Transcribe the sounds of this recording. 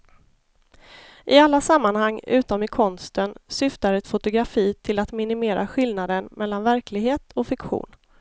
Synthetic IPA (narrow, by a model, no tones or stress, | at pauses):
ʔɪalːasamːanhaŋːʉ̟ːt̪ɔmɪkʰɔnst̪ənsʏft̪aɾɛt̪fʊt̪ʊɡɾafiːt̪ʰɪlat̪mɪnɪmeːɾʔa̰ɧɪlnad̪ənmʔɛlːanvæɾklɪɡɦeːt̪ʰɔfɪkɧṵːn